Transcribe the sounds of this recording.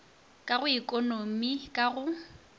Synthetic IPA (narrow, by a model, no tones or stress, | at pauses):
kʼaɣʊikʼonomikʼaɣʊ